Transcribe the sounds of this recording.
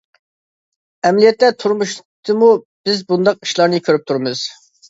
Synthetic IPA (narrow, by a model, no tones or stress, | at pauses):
ɛmlijɛt̪ːɛt̪ʰuɾmuʃ | t̪ʰɨmu | b̥ɪzbund̪ɑq̚i̥ʃlˠɑɾnɨkʲʰøɾyp̚t̪ʰuɾmɨz̥